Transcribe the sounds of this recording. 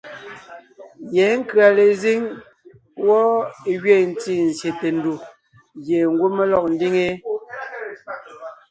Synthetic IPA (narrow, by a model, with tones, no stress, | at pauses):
jɛː˨˦ŋ̩˦kɰa˨le˨zi˦ŋ | wɔ˦e˨ɣɥe˦˨n̩˦ti˦˨n̩˨sje˨te˨n̩˦du˨ | ɣje˨ŋ˦ɡwu˦me˦lɔ˦˨k̚n̩˦di˦ŋe˦